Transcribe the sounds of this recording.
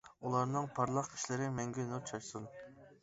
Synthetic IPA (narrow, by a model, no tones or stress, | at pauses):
ulˠɑɾnɨŋpʰɑɾlˠɑqʰi̥ʃlɪɾɪmɛŋɡʲɛnut͡ʃʰɑʃsun